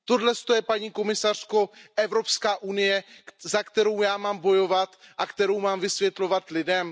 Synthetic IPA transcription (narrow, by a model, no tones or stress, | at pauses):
t̪o̞dlɛst̪o̞jɛpaɲiːko̞mɪsar̝̥ko̞ʔɛvɾo̞pskaːʔunɪjɛzakt̪ɛɾo̞wjaːmaːmbo̞jo̞vat̪ʔakt̪ɛɾo̞wmaːmvɪsvjɛt̪lo̞vat̪lɪdɛm